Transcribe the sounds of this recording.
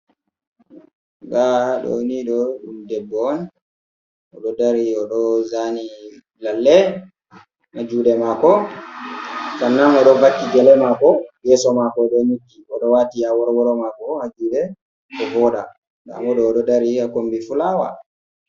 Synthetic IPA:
ɡaɗɔ̰niɗɔumdɛbːɔn | ɔɗɔdaɾiɔɗɔzani | lalːɛ | mad͡ʒuːɗɛmakɔ | sanːanɔɗɔvakːiɡɛlɛmakɔjɛsɔmakɔɗɛnukːiɔɗɔwatiawɔɾwɔɾɔmakɔmad͡ʒuːɗɛ | ɔvɔɗa̰ | ɡa̰mɔɗɔːɗɔdaɾiakombifulaːwa̰

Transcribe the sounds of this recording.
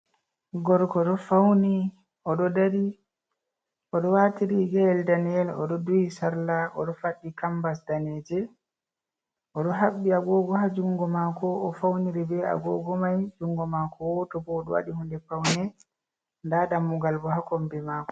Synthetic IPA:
ɡɔɾkɔɗɔfawni | ʔɔɗɔdaɾi | ɔɗɔwatiɾiɡɛɛldanɛlɔɗɔdujisaɾlaʔɔ̰ɗɔfaɗːikambasdanɛd͡ʒɛ | ʔɔɗɔɦaɓːiaɡɔɡɔhad͡ʒuŋɡɔmakɔːfawniɾɛbɛa̰ɡɔɡɔmajd͡ʒuŋɡɔmakʰɔwɔtɔbɔːɗɔwa̰ɗihundɛpawnɛ | ndaɗamːuɡalbɔhakɔmbɛmaːkɔ̥

